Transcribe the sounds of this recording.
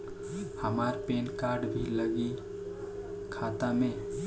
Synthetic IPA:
həmaɾpeːnkaɾɖbʱiləɡi | kʰat̪amẽ

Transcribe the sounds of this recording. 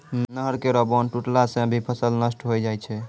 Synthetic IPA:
nnəɦəɾkeɾɔbɔnʈuʈlasẽbʱipʰəsəlnəsʈɦojd͡ʒajt͡ʃʰɛ

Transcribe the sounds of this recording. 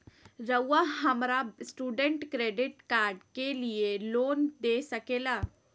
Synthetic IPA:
ɾəwːaɦəmɾasʈuːɖə̃ɳʈkɾeːɖɪʈkaːɾɖkelijeloːnd̪esəkeːlaː

